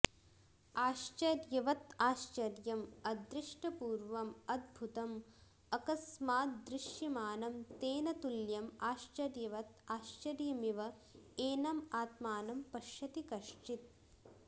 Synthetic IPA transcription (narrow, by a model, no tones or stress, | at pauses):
aːʃt͡ʃɐɾjɐʋɐt̪aːʃt͡ʃɐɾjɐmɐd̪ɾɪʂʈɐpuːɾʋɐmɐd̪̚bʱut̪ɐm | ɐkɐsmaːt̪̚d̪ɾɪʃjimaːnɐmt̪eːnɐt̪uljɐmaːʃt͡ʃɐɾjɐʋɐt̪aːʃt͡ʃɐɾjɐmiʋɐ | eːnɐmaːt̪maːnɐmpɐʃjɐt̪ikɐʃt͡ʃit̪̚